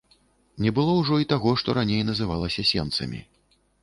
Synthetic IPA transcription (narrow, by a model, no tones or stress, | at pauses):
nʲɛbɨlˠɔwʐɔit̪aɣɔʂt̪ɔɾanʲejnɐzɨvalˠɐsʲɐsʲɛ̰nt̪sɐ̰mʲḭ